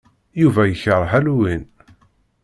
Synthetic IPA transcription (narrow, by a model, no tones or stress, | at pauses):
juvæjəçəɾˤħæluwin